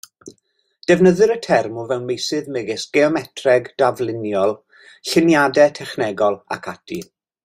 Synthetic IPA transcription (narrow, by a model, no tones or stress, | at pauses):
d̥ɛvnəðɨɾətʰɛrmuvɛwnmejsɨðmɪɡɪsɡ̥ɛɔmɛtʰrɛɡd̥avlˠɪnjɔlˠ | ɬɪnjadɛtʰɛχnɛɡɔlˠa̰kʰatʰi